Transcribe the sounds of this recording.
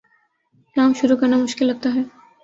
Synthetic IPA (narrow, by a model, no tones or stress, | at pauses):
kaːmʃʊɾukɐɾnamʊʃkɪlːɐɡ̚t̪aɦɛː